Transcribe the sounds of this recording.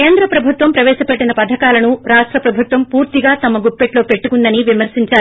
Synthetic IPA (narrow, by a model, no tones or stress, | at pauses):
keːnd̪ɾɐpɾɐbʱut̪ʋɐmpɾɐʋɛːʃɐpe̞ʈːinɐpɐd̪ʱɐkaːlɐnuɾaːʂʈɾɐpɾɐbʱut̪ʋɐmpuːɾt̪iɡaːt̪ɐmɐɡupːeʈlo̞ːpe̞ʈːukund̪ɐniʋimɐɾsiɲt͡ʃaːɾu